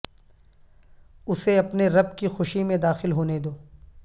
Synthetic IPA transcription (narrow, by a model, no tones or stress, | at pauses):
ʊseɐpneɾɐbkixʊʃimẽd̪aːxɪlɦoːned̪oː